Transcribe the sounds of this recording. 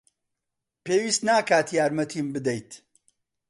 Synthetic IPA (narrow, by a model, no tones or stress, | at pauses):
peːwiːst̪naːkaːt̪jaːɾmɐt̪ʰiːmbɨd̪ɛjt̪